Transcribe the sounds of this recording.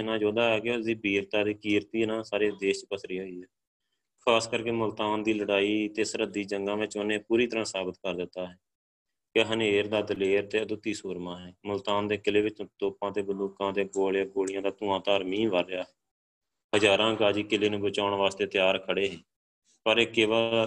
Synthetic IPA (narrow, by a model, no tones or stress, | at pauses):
nãːd͡ʒoːd̪aːɦɛːkeʊsiːbiːɾt̪aːd̪iːkiːɾt̪iːnãːsaːɾeːd̪eːʃt͡ʃpəsɾiːɦoːiːɦɛː | kʰaːskəɾkeːmʊlt̪aːnd̪iːləɽaːiːt̪eːsəɾəd̪iːd͡ʒəŋɡãːʋẽːt͡ʃonẽːpuːɾiːt̪əɾãːsaːbət̪kəɾd̪ɪt̪ːaːɦɛː | keɦəneːɾd̪aːd̪əleːɾt̪eːəd̪ʊt̪ːiːsuːɾmãːɦɛːmʊlt̪aːnd̪eːkɪleːʋɪt͡ʃt̪oːpãːt̪eːbənuːkãːd̪eːɡoːɭjaːɡoːɭɪjãːd̪aːt̪ʊ̃ːãːt̪aːɾmiːnʋəɾːɪjaːɦɛː | ɦəd͡ʒaːɾãːɡaːd͡ʒiːkɪleːnũːbət͡ʃaːʊɳʋaːst̪eːt̪ɪjaːɾkʰəɽeːɦɛː | pəɾeːkɪːʋaː